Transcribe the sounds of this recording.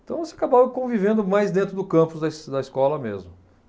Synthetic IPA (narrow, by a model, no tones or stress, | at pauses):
t̪ɐ̃w̃voseakabavkõvivẽnd̪ʊmajzd̪ẽnt̪ɾʊd̪ʊkɐ̃pʊzd̪ɐsd̪ɐiskɔlɐmḛzmʊ